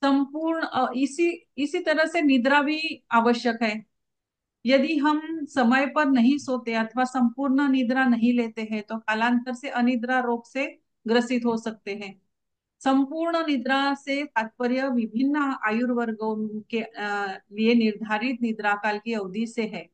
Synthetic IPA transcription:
sɐ̃mpuːɾɳəɪsiɪsit̪ɐɾəɦsenɪd̪ɾaʋiaːʋəʃjəkɦɛː | jɐd̪iɦɐmsɐməjpɐɾnɐɦĩsoːt̪eɦɛ̃ɐt̪ʰʋasɐ̃mpuːɾɳənɪd̪ɾanɐɦĩleːt̪eɦɛ̃t̪okaːlãːnt̪əɾseʔɐnɪd̪ɾaɾoːɡse | ɡɾəsɪt̪ɦosɐk̚t̪eɦɛ̃ː | sɐ̃mpuːɾɳənɪd̪ɾasekaːt̪̚pəɾjəʋɪbʱɪnːəaːjʊɾʋəɾɡənke | lienɪɾd̪ʱaːɾɪt̪̚nɪd̪ɾakaːlkiɐʋd̪iseɦɛː

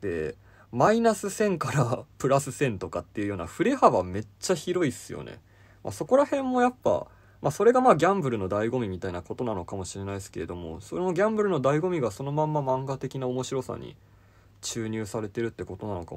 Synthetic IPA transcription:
d̪̥e̞̰ | mainasɨsẽ̞ŋkaɾapɯ̟ɾasɨsẽ̞nt̪o̞kat̪ːe̞iɯ̟jo̞ːna̰ɸɯ̟ɾe̞haβame̞t͡ɕːaçiɾo̞isɨjo̰nḛ | mʔa̰so̞ko̞ɾahẽ̞mːo̞japːa̰ | maso̞ɾe̞ɡamaːɡʲãmbɯ̟ɾɯ̟no̞d̪aiɡo̞mʲimʲit̪ainako̞t̪o̞nano̞kamo̞ɕiɾe̞naisɨ̥ke̞ɾe̞d̪o̞mo̞̰sooɡʲãmbɯ̟ɾɯ̟no̞d̪aiɡo̞mʲiɡaso̞no̞mãmːamãŋɡat̪e̞kʲinaomo̞ɕiɾo̞sa̰ɲ̟ḭ | t͡ɕɨːɲ̟ɨːsaɾe̞t̪e̞ɾɯ̟t̪ːe̞ko̞t̪o̞nanoka̰

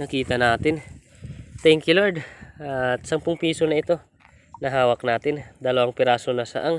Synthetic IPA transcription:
nɐkiːt̪ɐnaːt̪ɪn | t̪ɛŋkjʊloɹd̪at̪sɐmpʊŋpiːso̞nɐɪt̪o̞ | nɐɦaːwɐk̚naːt̪ɪnd̪ɐlɐwaŋpɪɾaːso̞nɐsɐ̰ʔaŋ

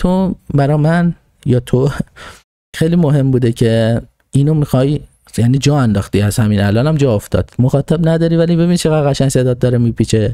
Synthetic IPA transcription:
t̪ʰobæɾɒːmæn | jɒːt̪ʰo | xejliːmoɦe̞mbuːd̪ecʰe̞ | iːnomixɒj | jæniːd͡ʒɒːænd̪ɒːxt̪iːæzhæmiːnælɒːnæmd͡ʒɒːoft̪ɒ̰ːd̪̥moxɒːt̪ʰæbnæd̪ɒːɾivæliːbe̞biːnt͡ʃʰeɣæd̪ɣæʃæŋse̞d̪ɒːd̪̚d̪ɒːɾemiːpʰiːt͡ʃʰe̞

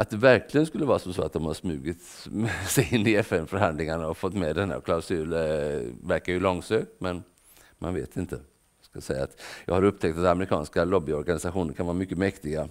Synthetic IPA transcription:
ʔat̪̚d̪ɛvæɾkʰlɪɡənskɵlːəvɑːɾasɔmsoːat̪̚d̪ɔmhaʂsmʉ̟ːɡɪt̪ | sɛjɪnːɪɛfɛnfœɾhand̪lɪŋaɳaɔfɔt̪ːmɛd̪ɛnhæ̰ɾkʰlaʊsʉːl | væɾkaɾjɵlɔŋsøːk̚mɛn | ma̰nveːt̪ɪnt̪ʰə | skasɛjːa̰ːt̪jɑːɡhaɾɵp̚ːt̪ʰɛkt̪at̪amɛɾɪkʰɑ̰ːnskalɔbːɪɔɾɡanɪsaɧuːnəɾkʰanvɑːɾamʏkːəmɛkt̪ɪɡa

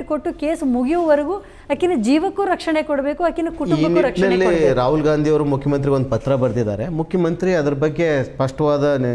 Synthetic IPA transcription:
ʈkoʈːuke̞ːsmuɡijʋɐʋɐɾɐɡu | ɐkːinɐd͡ʒiːʋɐkːuɾɐkʂɐɳekoɽɐbe̞ːkuɐkːinɐkuʈuibɐnɾɐknɐlːiɾaːɦulɡaːnd̪ʱijɐʋɾumukʰjɐmɐnt̪̬ɾiɡond̪upɐt̪ɾɐbɐɾd̪id̪a̰ːɾe̞mukʰjɐmɐnt̪ɾiɐd̪ɐɾɐbɐɡːe̞spɐʂʈɐʋaːd̪ɐ

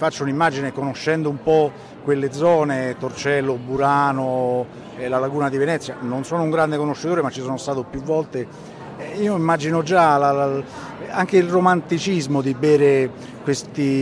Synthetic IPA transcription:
fat͡ʃːounimːad͡ʒinekonoʃːɛnd̪oumpɔ | kːwelːed̪zɔːnet̪ort͡ʃɛlːobuɾaːno | elalaɡuːnad̪ivenɛt̪sːjanonsɔːnouŋɡɾand̪ekonoʃːet̪oːɾemat͡ʃːisɔːnost̪aːt̪opjuvːɔlt̪e | iːoimːad͡ʒinod͡ʒalala | aŋk̟eilromant̪it͡ʃizmod̪ibeːɾe | kwest̪i

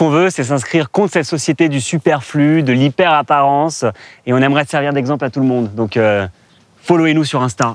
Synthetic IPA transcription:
kɔ̃vøsɛs̬ɛ̃skχiʁkɔ̃t̪χsɛt̪sɔsjet̪ed̪ysypɛʁflyd̪əlipɛʁapaʁɑ̃seɔ̃nɛmʁɛsɛʁviʁd̪ɛɡzɑ̃plat̪ulmɔ̃d̪ːɔ̃kø | folwenusyʁɛ̃st̪a

